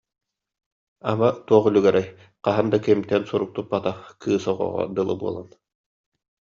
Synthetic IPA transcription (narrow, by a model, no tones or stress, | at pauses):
amat̪uɔχylʲyɡɛɾɛj | qaɦɯnd̪akimt̪ɛnsuɾuk̚t̪up̚bat̪akʰɯːsɔʁɔ̰ːʁɔ̰d̪ɯlˠɯ̰buɔlˠan